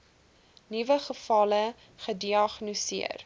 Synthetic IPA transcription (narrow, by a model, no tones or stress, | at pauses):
nivəχəfɐlə | χədiɑχnosiə̰r